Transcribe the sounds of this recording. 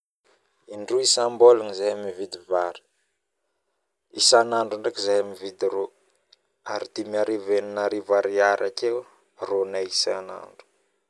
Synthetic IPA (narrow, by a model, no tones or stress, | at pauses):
iɳɖ͡ʐuisambolanizajamivid̪ivaɾi̥ | isanaɳɖ͡ʐuɳɖ͡ʐekizajamivid̪iɾo | aɾid̪imiaɾiveninaɾivaɾiaɾʔakew | ronaisana̰ɳɖ͡ʐu̥